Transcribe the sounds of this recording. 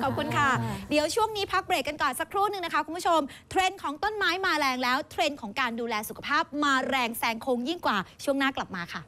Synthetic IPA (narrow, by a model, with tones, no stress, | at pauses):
kʰɔ˨˩p̚kʰu˧nkʰa˥˩di˨˩˦əwt͡ɕʰu˥˩əŋniː˦˥pʰa˦˥k̚bɾeː˨˩kːa˧nkɔː˨˩nsa˨˩kʰːɾuː˥˩nɯ˨˧ŋna˦˥kʰa˦˥kʰu˧npʰu˦˥˩t͡ɕʰo˧mt̪ʰɾe˧nkʰɔː˩˦ŋt̪o˥˩nmaː˦˥jmaː˧ɾɛː˧ŋlɛː˦˥wt̪ʰɾe˧nkʰɔː˩˦ŋkaː˧nduː˧lɛː˧su˨˩kʰa˧˩pʰaː˥˩p̚maː˧ɾɛː˧ŋsɛː˧˩ŋkʰoː˧ŋji˥˩ŋkwaː˨˩t͡ɕʰu˥˩əŋnaː˥˩kla˨˩p̚maː˧kʰa˥˩